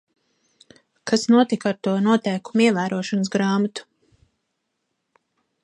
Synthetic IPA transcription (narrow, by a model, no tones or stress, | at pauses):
kʰasnuɔt̪ikaɾt̪uɔnuɔt̪ɛjkumiɛvæːɾuɔʃɔnəs̬ɡɾaːmat̪u̥